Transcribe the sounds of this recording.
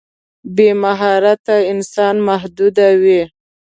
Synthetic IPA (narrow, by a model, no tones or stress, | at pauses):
bemaɦɑɾat̪aɪnsɑnmaɦd̪ud̪awi